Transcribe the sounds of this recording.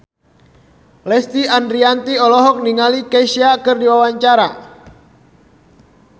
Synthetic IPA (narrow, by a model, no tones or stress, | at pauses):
lɛst̪iandɾiant̪iɔlɔɦɔk̚niŋalikɛsiakɨrdiwawaɲt͡ʃaɾa